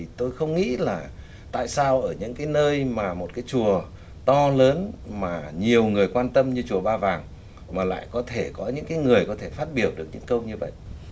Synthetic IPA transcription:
i˨˩t̪o˧jxə˧wŋ͡mŋḭ˧˥laː˨˩ | t̪a̰ː˧˨jsaː˧wʔəː˧˩ɲɨ̰˧˥ŋkaː˨˦jnəː˧jmaː˨˩mo˨˩t̚kaː˨˦jt͡ɕu˨˩ə | t̪ɔ˧ləː˨˦nmaː˨˩ɲi˨˩əwŋɨ˨˩əjkwaː˧nt̪ə˧mɲɨ˧t͡ɕu˨˩əɓaː˧vaː˨˩ŋ | maː˨˩la̰ː˧˨jkɔ˨˦t̪ʰe˧˩kɔ˨˦ɲɨ̰˧˥ŋkaː˨˦jŋɨ˨˩əjkɔ˨˦t̪ʰe˧˩faː˦˥t̚ɓi˧˩əwɗɨ˨˩ək̚ɲɨ̰˧˥ŋkə˧wŋ͡mɲɨ˧və̰˧˨jʔ

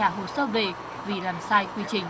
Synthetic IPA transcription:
aː˧˩ɦo˧˩səː˧˥ve˨˩ | vi˨˩laː˨˩msaː˧jkwi˧t͡ɕï˨˩ŋ̟

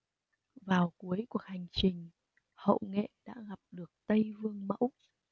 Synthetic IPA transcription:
vaː˨˩wku˨˦əjku˧˨˩ək̚ha˨˩jŋ̟t͡ɕï˨˩ŋ̟ | hə̰˧˨wŋḛ˧˨ɗa̰ː˧˥ɣa˨˩p̚ɗɨ˨˩ək̚t̪ə˧jvɨ˧əŋmə̰˧˥w

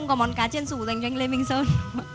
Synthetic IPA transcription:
wŋ͡mkɔ˨˦mɔ˨˦nkaː˨˦t͡ɕe˧nsu˧˩za˨˧˩jŋt͡ɕwa˧jŋle˧mï˧˨ŋ̟səː˧n

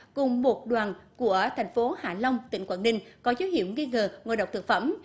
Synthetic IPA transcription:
kʊ˨˩ŋ͡mɓo˨˩t̚ɗwaː˨˩nku˧˩ət̪ʰɛ˨˩jŋ̟fo˨˦ha̰ː˧˩lə˧wŋ͡mt̪ï˧˨ŋ̟kwaː˧˩nːï˧ŋ̟kɔ˨˦zoː˨˦whḭ˧˨əwŋi˧ŋəː˨˩ŋo˧˨jɗə˨˩wk͡p̚t̪ɨ˨ək̚fə̰˧˩m

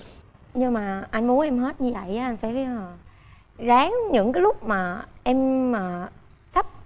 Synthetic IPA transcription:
ɲɨ˧maː˨˩ʔa˧jŋ̟mu˨˦ənʔɛ˧mɦe˦˥t̚ɲɨ˧və̰˧˨jʔaː˨˦ʔa˧jŋ̟faː˧˩jvi˨˦əː˨˩ | zaː˨˦ŋɲɨ̰˧˥ŋkaː˨˦lʊ˦˥k͡p̚maː˨˩ʔɛ˧mːaː˨˩ | sa˦˥p̚

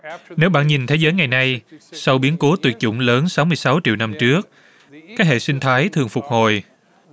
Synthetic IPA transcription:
ne˨˦wɓa̰ː˧˨nɲi˨˩nt̪ʰe˨˦zəː˨˦jŋa˨˩jna˧jsa˧wɓi˨˦ənko˨˦t̪wi˨˩ət̚t͡ɕʊ̰˧˥ŋ͡mləː˨˦nsa˨˦wmɨ˧əjsa˨˦wt͡ɕḭ˧˨wna˧mt͡ɕɨ˦˥ək̚ | kaː˦˥k̚ɦḛ˧˨sï˧ŋ̟t̪ʰaː˨˦jt̪ʰɨ˨˩əŋfʊ˨˩k͡p̚ho˨˩j

